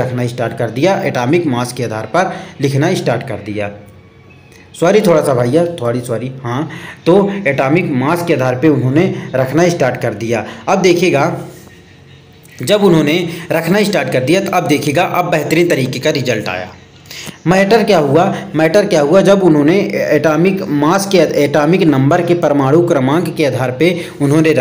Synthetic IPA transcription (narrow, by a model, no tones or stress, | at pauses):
ɐkʰnaisʈaːɾʈ̚kɐɾd̪ijaʔɛːʈaːmɪkmaːskeaːd̪ʱaːɾpɐɾlɪkʰnaisʈaːɾʈkɐɾd̪ijaː | sʊaːɾit̪ʰoːɽasabʱaːijat̪ʰaːɽiswaːɾihãt̪oɛːʈaːmɪkmaːskeaːd̪ʱaːɾpeʊnɦõneɾɐkʰnaiɪsʈaːɾʈkɐɾd̪ijaːɐb̚d̪eːkʰeːɡa | d͡ʒɐbʊnɦõːneɾɐkʰnaisʈaːɾʈ̚kɐɾd̪ijat̪oʔɐb̚d̪eːkʰeːɡaʔɐbːɛɦt̪ɾiːnt̪ɐɾiːkekaɾɪzəlʈa̰ːja̰ː | mɛːʈəɾkjaːɦuamɛːʈəɾkjaːɦuad͡ʒɐbʊnɦõːneeːʈaːmɪkmaːskeeːʈaːmɪknɐ̃mbəɾkepɾəmaːɽukɾəmãːɡkeaːd̪ʱaːɾpe | ʊnɦõne